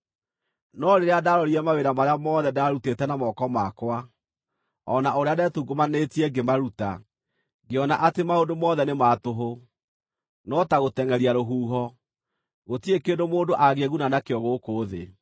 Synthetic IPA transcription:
nɔɾeɾeadaɾɔɾiɛmaweɾamaɾeamɔðɛdaɾutetɛnamɔkɔmakwa | ɔnaoɾeadɛtuɡomanetiɛɡemaɾuta̰ | ɡeɔnaʔatemaondomɔðɛnematoɦo | nɔtaɣotɛŋɛɾiaɾoɦuːɦɔ | ɣotiekeːdomoːndoʔaɣeeɣunanakeɔɣokoːðḛ

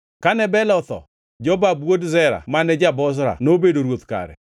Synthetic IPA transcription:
kanɛbɛlɔt̪ɔ̰ | d͡ʒɔbabwodzɛɾa̰manɛd͡ʒabɔs̬ɾa̰nobedoɾwot̪ka̰ɾɛ̰

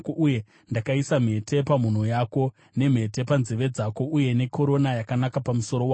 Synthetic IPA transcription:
kouje̞ | ndakaisam̤e̞tʰe̞pam̤un̤ojako̞ | ne̞m̤e̞te̞panzeʋe̞d͡zako̞uje̞ne̞kʰo̞ɾo̞najakanakapamuso̞ɾowaː

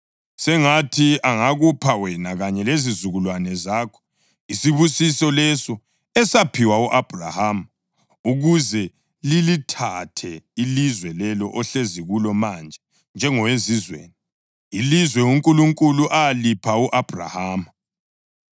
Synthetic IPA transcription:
sɛŋatʰiaŋaɣupʰawɛnaɣaɲɛlezizuɣulwanɛzaːkʰɔ̥ | isiβusisɔlɛsɔ | ɛsapʰiwauʔab̥ʱra̰hama | uɣuzɛ | lilitʰatʰɛilizwɛlɛlɔʔɔɬeziɣulɔmand͡ʒʱɛ | nd͡ʒʱɛŋɔwezizwḛːni | ilizwɛuŋkʼuluŋkʼuluʔaalipʰauʔab̥ʱra̰haːma

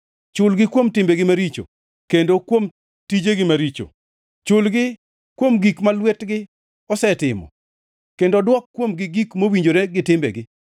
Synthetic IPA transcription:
t͡ʃʊlɡɪkwomtɪmbeɡɪmaɾit͡ʃo̰ | kendokwom | tid͡ʒeɡɪmaɾit͡ʃo̰ | t͡ʃʊlɡɪ | kwomɡikmalwɛtɡɪ | ɔsɛtɪmɔ̰ | kendodwɔkːwomɡɪɡikmowiɲd͡ʒoɾeɡɪtɪmbɛ̰ɡɪ

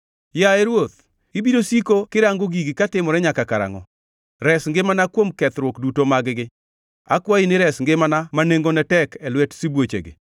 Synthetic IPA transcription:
jaɛɾwot̪̚ | ibidosikokɪɾaŋɡoɡiɡikatɪmɔɾɛɲakakaɾa̰ŋɔ̰ | ɾɛsŋɡɪmanakwomkɛt̪ɾwokdutomaɡɪɡɪ | a̰kwainɪɾɛsŋɡɪmanamaneŋɡonɛtɛkɛlwɛtsibwot͡ʃḛɡɪ̰

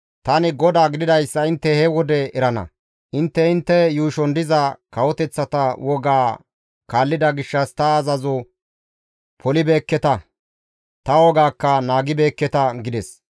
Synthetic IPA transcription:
t̪ɐnɪɡɔd̪aːɡɪd̪ɪd̪ɐjsːɐɪnt̪ːɛhɛwɔd̪ɛɛɾɐnɐ̰ | ʔɪnt̪ːɛɪnt̪ːɛjuːʃɔnd̪ɪzɐkɐwɔt̪ɛt͡sːɐt̪ɐwɔɡaː | kaːlːɪd̪ɐɡɪʃːɐst̪ɐːzɐzɔ | pʰɔlɪbe̞ːkːɛt̪ɐ | t̪ɐwɔɡaːkːɐnaːɡɪbe̞ːkːɛt̪ɐɡɪd̪ɛs

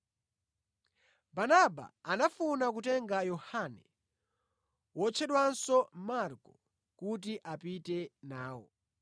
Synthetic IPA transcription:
banaba̰anafunak̬utɛŋɡajɔhanɛ | wɔt͡ʃʰɛɗwansɔmaɾkɔ̥ | kut̬iʔapitɛnaːwɔ̰

